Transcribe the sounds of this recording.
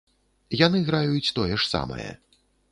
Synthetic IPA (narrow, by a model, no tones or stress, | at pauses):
janɨɣɾajut͡sʲt̪ɔjɛʂsa̰mɐ̰jɛ̰